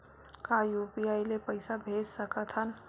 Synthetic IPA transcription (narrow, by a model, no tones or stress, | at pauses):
kajuːpiaːilepɐɪsabʱeːd͡ʒsɐkat̪ʰən